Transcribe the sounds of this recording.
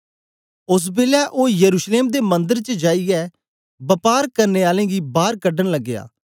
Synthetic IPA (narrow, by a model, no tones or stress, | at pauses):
ʊs̬beːljaːʔoːjəɾuːʃleːmd̪eːmə̃nd̪əɾt͡ʃəd͡ʒaːiɛː | bəpaːɾkəɾneːaːlẽːɡiːbaːɾkəɖənləɡːɪja̰ː